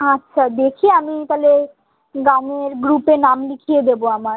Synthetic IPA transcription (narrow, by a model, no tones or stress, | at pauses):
atːɕʰad̪ekʰieamit̪ale | ɡaŋeɾɡɾupenamlikʰied̪eboamaɾ